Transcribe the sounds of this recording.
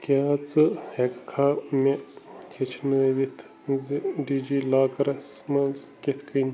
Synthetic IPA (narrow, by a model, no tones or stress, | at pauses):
kʲaːt͡sɨhekkʰaːmek̪ʰet͡ʃʰnəd̪it̪ʰ | ziɖiːd͡ʒiːlaːkɐɾɐsmɐnzket̪ʰkʰɨn